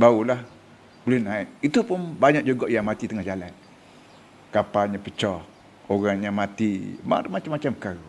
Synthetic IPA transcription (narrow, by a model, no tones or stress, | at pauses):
baulah | bəlinait̪̚it̪upʊnbaɲaʔ̚d͡ʒuɡɔʔjaŋmat̪it̪əŋahd͡ʒalan | kapalɲapət͡ʃɔh | oɣaŋɲamat̪ima̰mat͡ʃamːat͡ʃamka